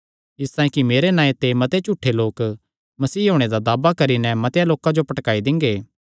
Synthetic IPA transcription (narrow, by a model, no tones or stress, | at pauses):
ɪst̪ãːjĩkimeːɾenãːet̪emɐt̪et͡ʃuʈʰːeloːk | mɐsiːɦoːɽ̃ed̪ad̪aːbakɐɾinɛmɐt̪jaloːkãd͡ʒopɐʈkaːid̪ɪ̃ŋɡeː